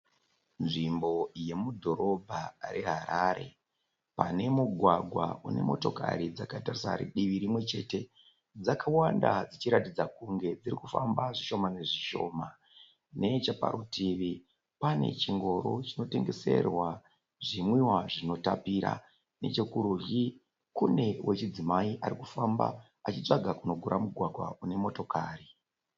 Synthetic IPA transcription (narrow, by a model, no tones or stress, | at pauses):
nʐimbo̞je̞mudʱo̞ɾo̞bʱaɾʔeɦaɾaɾe̞̰ | pane̞muɡʱwaɡʱwa̰une̞̰mo̞to̞ka̰ɾid͡zakatarisa̰ɾḭɗiʋiɾimwe̞t͡ʃe̞ːte̞ | d͡zakawandad͡zit͡ʃiɾatid͡zakuŋɡe̞d͡zirikufa̰mbaʐiʃo̞mane̞ʐiʃo̞ma | ne̞t͡ʃapa̰ɾutʰiʋi | pane̞̰t͡ʃiŋɡo̞ɾo̞t͡ʃino̞te̞ŋɡe̞se̞̰rwa | ʐimwiwaʐino̞tapiɾa̰ | ne̞̰t͡ʃe̞kuɾurji | kune̞wʔe̞t͡ʃid͡zimaiʔaɾikufamba̰ | at͡ʃit͡ʂaɡʱakuno̞ɡʱuɾʔamuɡʱwaɡʱwa̰une̞mo̞to̞kaːri